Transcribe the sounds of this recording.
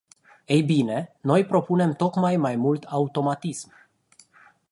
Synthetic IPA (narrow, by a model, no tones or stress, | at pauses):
ejbine̞no̞jpɾo̞pune̞mt̪o̞kmajmajmult̪ʰaut̪o̞mat̪ism